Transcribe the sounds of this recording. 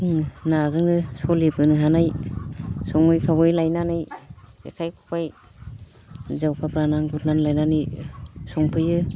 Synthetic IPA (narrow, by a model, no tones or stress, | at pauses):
nazɯŋdɯsɔlipʰɯnɯɦanaj | sɔŋɯjkʰabɯjlajnanɯjḛkʰajkʰupaj | zawkʰapɾanaŋɡutʰnanlajnanɯsɔŋpʰɯjɯ